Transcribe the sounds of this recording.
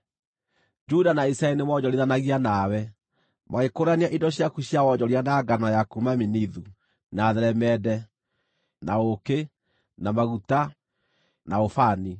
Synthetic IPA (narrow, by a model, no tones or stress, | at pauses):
d͡ʒudanaisɾaɛlinemɔd͡ʒɔɾeðanaɣianawɛ | maɣekoɾaneaʔindɔɕjakuɕjawɔd͡ʒɔɾianaɡanajakumaminiðu | naðɛɾɛmɛdɛ | naoke | namaɣuta | naofani